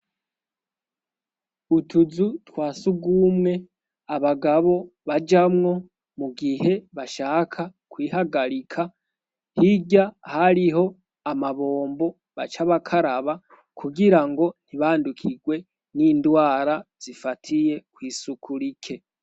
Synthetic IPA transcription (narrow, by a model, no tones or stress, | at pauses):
utuzutwaːsuɡumŋe̞ | aβaɡaβo̞βad͡ʒamŋo̞ | muɡihe̞βaʃaːkʰakwiːhaɡaɾikʰa | hiɟahaɾiɦo̞ | amaβo̞ːmbo̞ | βa̰t͡ʃaβakʰaɾaβa | kʰuɡiɾaŋɡo̞n̥hiβaːndukʰiɡwe̞ | niːndwaːɾaz̥ifatʰije̞kwiːsukʰuɾikʰe̞